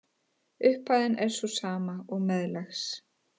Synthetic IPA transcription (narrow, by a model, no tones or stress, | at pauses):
ʏhpaːjðɪnɛɾ̥svɔsaːmaɔɣmɛðlɛxs